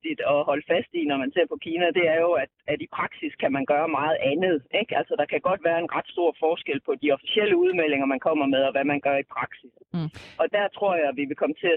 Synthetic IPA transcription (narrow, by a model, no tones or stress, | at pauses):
d̥id̥ɒ̽ɦɒ̽ləfæsd̥inɒmænse̝ɐ̰pʰɒ̽kʰiːnæd̥e̝æɐjo̝æd̥æd̥ipʰʁɑ̈ɡ̥siskʰæmænɡ̥ɶːɐmɑ̈ːð̞̩ˠænð̞̩ˠe̝ɡ̥æl̰sɒd̥ɑ̈kʰæɡ̥ɒ̽d̥ʋæːɐe̝nʁɑ̈d̥sd̥o̝ɐ̰fɒːsɡ̥el̰pʰɒ̽d̥iɒfi̥ɕeləuð̞ˠmel̰e̝ŋɐmænkʰɒ̽m̰ɐmeðˠɒ̽ʋæmænɡ̥ɶɐipʰʁɑ̈ɡ̥sisʔɒ̽d̥æɐ̰t͡sʰʁo̝ɐ̰jɑ̈ɪʋiʋe̝kʰɒ̽mət͡sʰe̝æ